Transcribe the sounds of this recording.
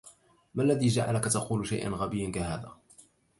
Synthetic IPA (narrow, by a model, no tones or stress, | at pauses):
malːaðiːd͡ʒaʕa̰lakat̪ɑquːlʃa̰jʔa̰nɣabɪjːankaɦaːða̰ː